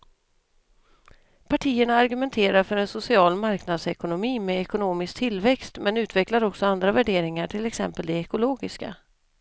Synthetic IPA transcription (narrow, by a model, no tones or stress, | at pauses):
pʰaʈʰiːəɳaːɾɡɵmɛnt̪ʰeːɾaɾfœɾɛnsʊsɪɑːlmaɾknad̪sɛkʊnʊmiːmɛɛkʊnoːmɪsk̚t̪ʰɪlːvɛkst̪mɛnʉ̟ːt̪vɛklaɾɔksɔand̪ɾavæɖeːɾɪŋaʈʰɪlɛksɛ̰mpəld̪ɛɛkʊloːɡɪska̰